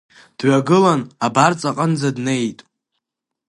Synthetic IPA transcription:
d̥ɥaɡɨlanabart͡sʼaqʼənd͡zadne̞jtʼ

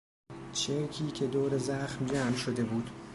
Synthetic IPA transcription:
t͡ʃʰeɾcʰiːcʰe̞d̪oːɾe̞zæxmd͡ʒæmʃo̞d̪e̞buːd̪̥

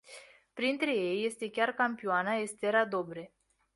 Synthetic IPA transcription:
pɾint̪ɾe̞je̞jːe̞st̪e̞kʲarkampioanaest̪e̞ɾad̪o̞bɾe̞

